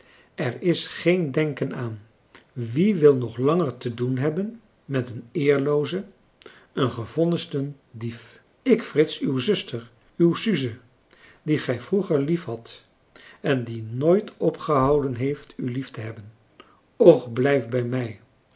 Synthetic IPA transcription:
ɛɹɪsχejndɛŋkənaːn | ʋiʋɪlˠnɔχlɑŋəɹtədunɦɛbən | mɛtənɪːɹlowzə | ənχəvɔnəstən | dif | ɪkfrɪtsywzɵstəɹ | ywsyzə | diχɛjvruχəɹlifɦɑt | ɛndinojtɔpχəɦɑwdənɦejftyliftəɦɛbən | ɔχblɛjfbɛjmɛj

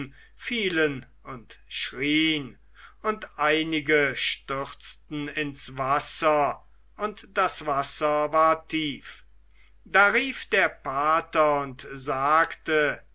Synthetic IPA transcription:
fiːlən | ʊntʃʁiːən | ʊntʔaɪnɪɡəʃtʏʁt͡stn̩ɪnsvasɐ | ʔʊntd̥asv̥asɐvaːɐtʰiːf | daːʁiːfd̥eːɐpʰaːtɐʊntzaːktə

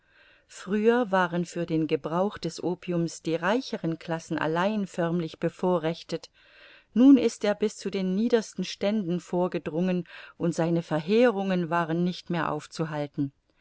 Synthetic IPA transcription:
fʁ̥yːɐvaːʁənfyːɐdeːnɡəbʁaʊxd̥ɛsʔoːpʰiʊmsd̥iːʁaɪçəʁənkʰl̥asn̩ʔa̰laɪnfœɐmlɪçb̥əfoːɐʁɛçtət | nuːnɪstʔeːɐbɪst͡sudeːnːiːdɐstn̩ʃtɛndn̩foːɐɡədʁʊŋənʔʊntz̥aɪnəfɛɐɦeːʁʊŋənvaːʁənːɪçtmeːɐʔa̰ʊft͡suɦaltn̩

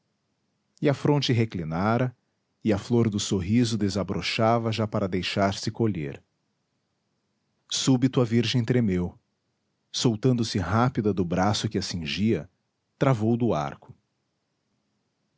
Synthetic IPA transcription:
ɪɐfɾõnt͡ʃɪɦeklinaɾɐ | ɪɐfloɾd̪ʊsoɦizʊd̪ezabɾʔoʃavɐʒapaɾɐd̪ejʃaɾsɪkoʎḛɾ | subit̪ʊɐviɾʒẽj̃t̪ɾemew | sowt̪ɐ̃nd̪ʊsɪɦapid̪ɐd̪ʊbɾasʊkɪasĩʒiɐ | t̪ɾavowd̪ʊa̰ɾkʊ̥

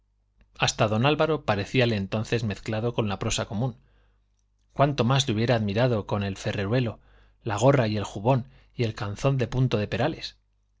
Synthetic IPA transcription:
ast̪aðo̞nalβaɾo̞paɾe̞θiale̞ːnt̪o̞nθe̞zme̞θklaðo̞ko̞nlapɾo̞sako̞mũn | kwant̪o̞mazleuβje̞ɾaːðmiɾaðo̞ko̞ne̞lfe̞re̞ɾwe̞lo̞ | laɣ̞o̞raie̞lxuβo̞n | ie̞lkanθo̞nd̪e̞punt̪o̞ðe̞pe̞ɾale̞s

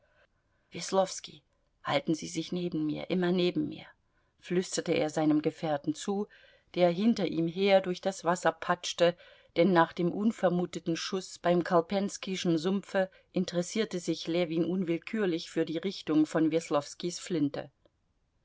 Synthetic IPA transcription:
vɛslɔfskḭ | ha̰ltn̩zḭːzɪçneːbm̩mḭːɐʔɪmɐneːbm̩mḭːɐ | flʏstɐtəʔḛːɐzaɪnəmɡəfɛːɐtn̩t͡suː | d̥eːɐɦɪntɐʔiːmɦeːɐdʊɐçd̥asv̥asɐpʰat͡ʃtə | d̥ɛnːaːχd̥eːmʔʊnfɛɐmuːtətn̩ʃʊsb̥aɪmkʰalpʰɛnskiʃn̩zʊmfə | ʔɪntəʁɛsiːɐtəzɪçlɛːviːnʔʊnvɪlkʰyːɐlɪçfyːɐdiːʁɪçtʊŋfɔnvɛslɔfskisflɪntə̰

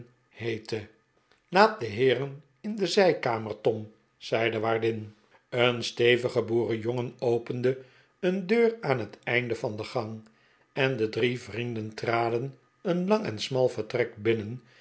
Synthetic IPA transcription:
hejtə | laːt̚dəɦɪːrən | ɪndəzɛjkaːməɹtɔm | z̥ɛjdəʋaːɹdɪn | ənstejvəχəbuːrəjoŋənowpəndə | əndøːraːnɦətɛjndəvɑnd̪əχɑŋ | ɛndədrivrindəntraːdən | ənlɑŋɛ̰nsmɑlˠvəɹtrɛk̚bɪnən

